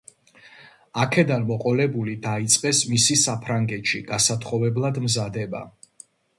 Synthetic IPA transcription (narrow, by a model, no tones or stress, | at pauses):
akʰɛd̪anmɔqʼɔlɛbulid̪ait̪sʼqʼɛsmisisapʰɾaŋɡɛt̪ʃḭɡasat̪ʰχɔvɛblˠad̪mzad̪ɛba̰